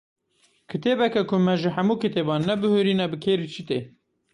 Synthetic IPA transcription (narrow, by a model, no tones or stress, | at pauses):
kʰɨt̪eːbɛkɛkʰʊmɛʒɨhæmuːkʰɨt̪eːbɑːnːɛbɨhøɾiːnɛbɨkʰeːɾit͡ʃʰit̪eː